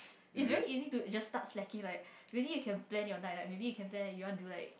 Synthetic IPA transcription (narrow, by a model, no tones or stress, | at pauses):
its̬vɛɹiizitud͡ʒasːtatslɛkĩŋlaɪk̚ | ɹilijukʰɛ̃nplɛ̃nɔnalaɪk̚mebijukʰɛ̃nplɛ̃nɛjuɔdulaɪk̚